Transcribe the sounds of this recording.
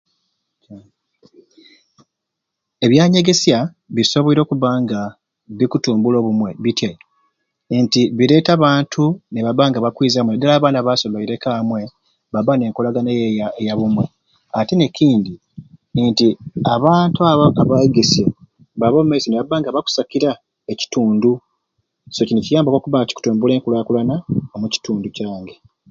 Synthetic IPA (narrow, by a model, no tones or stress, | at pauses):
e̞βjaːɲe̞ɡe̞sja | βiso̞βoiɾo̞ːkuβaːŋɡa | βikutuːmbulo̞ːβumwe̞βitja | ntiβiɾe̞ːtaβaːntʰuneβaβaːŋɡaβakwiːzamwedelaːβaːnaβasolaiɾe̞kamwe̞ | βaβane̞ːŋkolaɡanejejaβumwe̞ | atene̞ciːndi | ntiaβaːntuaβoʔaβajiɡese | βaβomumaisoneβaβaːŋɡaβaku̥sakiɾa | eci̥tuːndu | so̞cinicijaːmbakokuβaːŋɡaci̥ku̥tuːmbule̞ːŋkulaːkulanaomuci̥tuːnducaːŋɡe